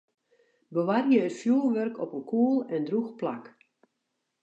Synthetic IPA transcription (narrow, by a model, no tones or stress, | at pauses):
bəʋarjəətfjuːlˠʋørkɔpənkʰuəlˠɛndruxpla̰k